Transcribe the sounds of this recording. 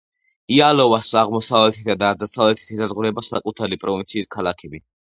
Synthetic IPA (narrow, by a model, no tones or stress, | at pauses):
ialɔvasaʁmɔsavlɛt̪ʰit̪d̪ad̪aːɾd̪asavlɛt̪ʰi̥t̪ʰisazʁuɾɛbasa̰kʼut̪ʰaɾipʼɾɔvint̪sʰiːskʰalakʰɛbi